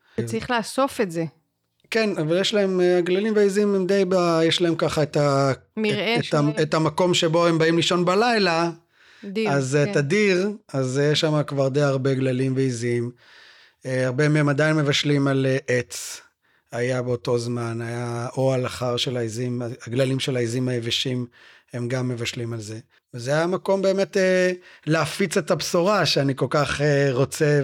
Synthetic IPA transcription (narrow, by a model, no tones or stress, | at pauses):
t͡saʁiχlaːso̞fetze | kenavaljeʃlae̞maɡlalimveizimemd̪ejbajeʃlae̞mkaχaet̪a | etaet̪amako̞mʃebo̞embaimliʃo̞nbalajla | aztadiʁazjeʃamakvaʁd̪ejaʁbe̞ɡlalimveizim | eaʁbemeemad̪ajnmevaʃlimaleʔet͡s | ajabeoto̞zmanajaʔoalaχaʁʃelaizimaɡlalimʃelaizimajeveʃim | e̞mɡamːe̞vaʃlimalze̞ | vezeajamako̞mbe̞ːme̞teleafit͡setabsoʁaʃeaniko̞lkaχeʁo̞t͡se